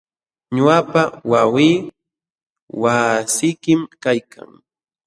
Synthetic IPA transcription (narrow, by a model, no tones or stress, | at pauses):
ɲʊapawawiː | wasɪjkɪmkajkʰa̰ŋ